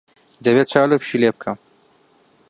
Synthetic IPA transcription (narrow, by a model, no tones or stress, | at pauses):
d̪ɐβeːt͡ʃʰaːlopʃileːb̚kʰɐm